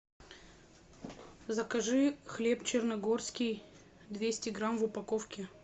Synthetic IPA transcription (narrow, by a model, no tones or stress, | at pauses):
zɐkɐʐɨxlʲept͡ɕɪrnɐɡorskʲɪj | d̪vʲesʲtʲɪɡɾamvʊpɐkofkʲɪ